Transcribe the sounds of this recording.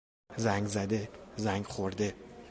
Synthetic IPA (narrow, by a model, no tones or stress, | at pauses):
zaŋzad̪ɪzaŋʲχoɾd̪ɪ